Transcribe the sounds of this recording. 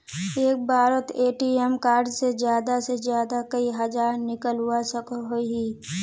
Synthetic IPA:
eːk̚baːɾət̪eːʈiemkaːɾd͡ʒsezjaːd̪asezjaːd̪akɐiɦɐd͡ʒaːɾnɪkəlɦʊasəkɦoiɦiː

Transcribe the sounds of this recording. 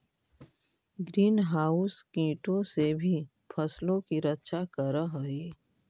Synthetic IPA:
ɡɾiːnɦaːʊskĩːʈõsebʱi | pʰɐslõkiɾətːʃakəɾəɦəiː

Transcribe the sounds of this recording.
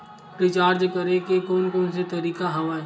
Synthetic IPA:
pɾɪt͡ʃaːɾd͡ʒkəɾekekɔːnkɔːnset̪ɐɾiːkaɦɐʋaːe

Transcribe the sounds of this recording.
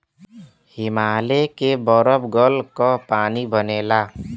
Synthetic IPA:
hɪmaːlekebɔɾəbɡəlkɔpaːnibəneːlaː

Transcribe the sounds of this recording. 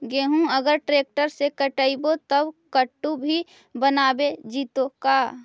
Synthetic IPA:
ɡeːɦũəɡəɾʈɾeːk̚ʈəɾsekəʈəibot̪əbkəʈːubʱi | bənaːbed͡ʒiːt̪okaː

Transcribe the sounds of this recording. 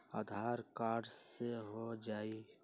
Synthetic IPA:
a̰ːd̪ʱaːɾkaːɖseɦod͡ʒaːi

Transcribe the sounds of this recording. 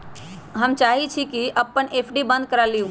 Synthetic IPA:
ɦəmt͡ʃaɦit͡ʃʰikiʔəpːənepʰɖibə̃nd̪̚kəɾaliũ

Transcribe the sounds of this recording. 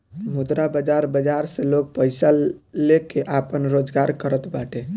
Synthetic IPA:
mud̪ɾabəd͡ʒaɾbəd͡ʒaɾseloɡ̚pəjsalekeʔapənɾod͡ʒɡaɾkəɾət̪baʈe

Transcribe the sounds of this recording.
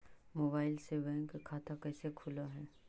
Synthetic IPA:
moːbaːɪlseʋɛ̃kekʰaːt̪akɛːsekʰʊlaɦɛː

